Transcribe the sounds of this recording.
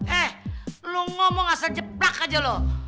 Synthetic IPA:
ʔɛhluŋɔmɔŋasald͡ʒəplakad͡ʒalo

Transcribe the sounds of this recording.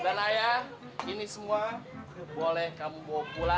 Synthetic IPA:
danaja | inisumuabolɛhkamubɔpula

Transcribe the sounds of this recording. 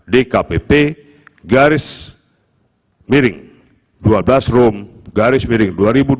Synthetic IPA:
dekapepe | ɡaɾɪs | miɾɪŋ | duablasrɔmɡaɾɪsmiɾɪŋduaɾibu

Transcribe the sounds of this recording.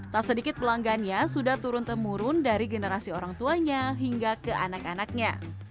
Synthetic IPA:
t̪asədikɪt̪̚pəlaŋɡanɲasudaht̪uɾʊnt̪əmuɾʊndaɾiɡənəɾasioɾaŋt̪uaɲaɦiŋɡakəʔanakanak̚ɲa̰

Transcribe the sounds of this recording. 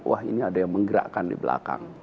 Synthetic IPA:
wʔa̰hḭniadajaŋməŋɡəɾa̰ʔkandḭbəla̰kaŋ

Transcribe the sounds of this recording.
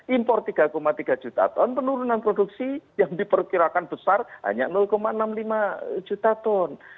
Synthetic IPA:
impɔrt̪iɡ̥a̤komat̪iɡ̥a̤d͡ʒ̥ut̪a̰t̪ɔnpənuɾunanpɾoduk̚sijaŋdipərkiɾakanb̥əsarɦa̰ɲa̰nʊlkomaənamlimad͡ʒ̥ut̪at̪ɔn

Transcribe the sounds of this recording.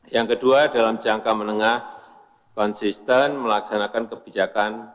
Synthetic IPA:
jaŋkəduadalamt͡ʃiaŋkamənəŋah | kɔnsist̪ənməlaksanakankəb̥id͡ʒakan

